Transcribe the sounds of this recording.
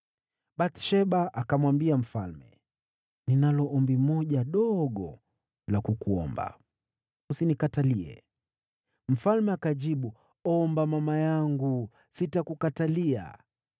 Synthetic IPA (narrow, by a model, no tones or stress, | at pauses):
ɓatʃɛɓaʔakamwambiam̩falmɛ̰ | ninalɔʔɔmbimɔʄaɗɔɡɔ̰ | lakukuɔ̰mba̰ | usinikataliɛ̰ | m̩falmɛakaʄiɓu | ɔmbamamajaŋɡu | sitakukatalia̰